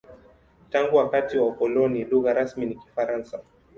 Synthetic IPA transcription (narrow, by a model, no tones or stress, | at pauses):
taŋɡuwakatiwaukɔlɔniluɣaɾasminiki̥faɾansa